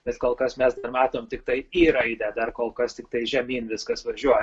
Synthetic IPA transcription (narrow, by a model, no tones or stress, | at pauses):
b̥ʲɛt̪koːlˠkɐsmʲɛsd̪ɐrmɑːt̪oːmt̪ʲɪk̚t̪ɐɪiːɾɐɪd̪ʲɛd̪ɐrkoːlˠkɐst̪ʲɪk̚t̪ɐɪʒʲɛmʲiːnʋʲɪskɐsʋɐʒʲuɔj